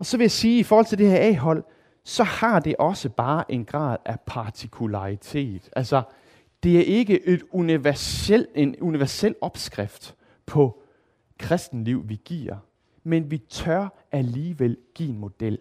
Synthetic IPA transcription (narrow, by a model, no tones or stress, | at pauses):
ɒ̽sɒʋe̝jæsiːifɔːhɒl̰t͡sʰed̥e̝hæɐɛ̰ːɦɒ̽l̰ | sɒ̽hɑ̈d̥e̝ʔɒ̽səb̥ɑ̈ːʔe̝nɡ̥ʁɑ̰̈ːð̞ˠæpʰɑ̈t͡sʰikʰulɑ̈ʁit͡sʰe̝̰ːðd̥ælsɒ | d̥e̝æɐʔe̝ɡ̥əʔe̝d̥uniʋæɐsel̰e̝nuniʋæɐsel̰ɒ̽b̥sɡ̥ʁafd̥ | pʰɒ̽ | kʰʁɛsd̥n̩liʊ̰ʋiɡ̥ḭɐ̰ | menʋit͡sʰɶɐ̰ʔæliːʋel̰ɡ̥ḭːenmo̝d̥el̰